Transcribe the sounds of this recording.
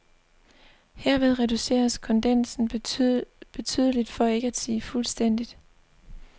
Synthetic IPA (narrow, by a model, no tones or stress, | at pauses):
heɐ̰ʋe̝ð̞ˠʁɛd̥use̝̰ːɐskʰɒ̽nd̥en̰sn̩ | b̥e̝t͡sʰy̰ːð̞ˠəlid̥fɒ̽e̝ɡ̥ɐæd̥siːfulsd̥en̰d̥id̥